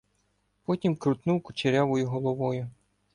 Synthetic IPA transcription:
pɔtʲimkɾʊt̪nuwkʊt͡ʃeɾʲaʋɔjʊɦɔlˠɔʋɔjʊ

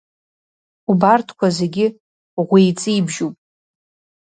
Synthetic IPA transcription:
ubartʰkʷʰaze̞ɡʲɪ | ʁʷijt͡sʼiibʒupʼ

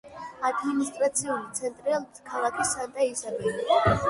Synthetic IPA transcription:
ad̪minist̪ʼɾat̪sʰiulit̪sʰɛnt̪ʼɾilkʰalˠakʰisant̪ʼaisalɛli

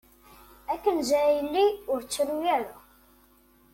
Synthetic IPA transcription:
ækːənzæɾjəlːiʊɾt͡sːɾujæɾa

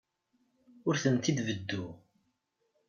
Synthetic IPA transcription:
ʊɾθənt̪id̪vəd̪ːu

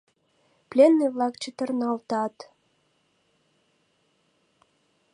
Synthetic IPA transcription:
plʲenːiβlɑkt͡ɕət̪ə̆rnɑlt̪ɑt̪

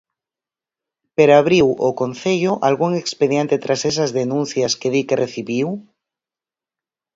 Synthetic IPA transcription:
peɾoaβɾiwʔokon̟θeʎoʔalɣuŋekspeðjent̪et̪ɾasesazðenũn̟θjaskeðikereθiβiw

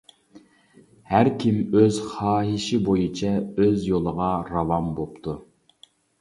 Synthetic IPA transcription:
hæɾkʲʰimøzχɑːɦiʃɪbojut͡ʃʰɛøzjolˠəʁɑɾɑvɑmbopt̪ʰu

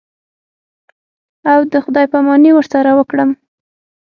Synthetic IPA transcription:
awd̪əxʊd̪ɑjpamɑniwəɾsaɾawəkɽəm

